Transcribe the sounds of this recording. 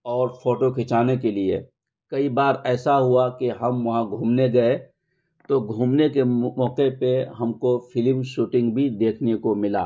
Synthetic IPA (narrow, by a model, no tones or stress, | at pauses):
ɔːɾfʰoːʈokʰɪt͡ʃaːnekeliḛ | kɐibaːɾɛːsaɦʊakeɦɐmʋɐɦãɡʱuːmneɡɐe | t̪oɡʱuːmnekeɔːqepeɦɐmkofʰɪlmʃuːʈɪ̃ŋɡbʱid̪eːkʰnekomɪla̰ː